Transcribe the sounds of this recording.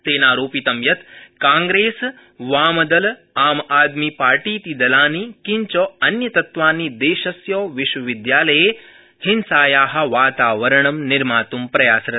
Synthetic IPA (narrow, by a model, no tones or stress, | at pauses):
t̪eːnaːɾoːpit̪ɐmjɐt̪kãːŋɡɾeːs | ʋaːmɐd̪ɐl | aːmaːd̪mipaːɾʈiːt̪id̪ɐlaːnikiɲt͡ʃɔɐnjɐt̪ɐt̪ʋaːniːd̪eːʃɐsjɔːʋɪʃʋɐʋid̪jaːlɐje | hɪnsaːjaːɦɐ̆ʋaːt̪aːʋɐɾɐɳɐmnɪɾmaːt̪umpɾɐjaːsɾɐ